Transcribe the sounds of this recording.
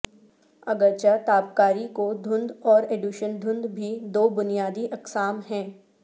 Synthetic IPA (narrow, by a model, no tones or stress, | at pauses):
ɐɡəɾt͡ʃat̪aːpkaːɾikod̪ʱʊ̃nd̪ɔːɾeːɖjuʃənd̪ʱʊ̃nd̪bʱid̪oːbʊnijaːd̪iʔɐksaːmɦɛ̃ː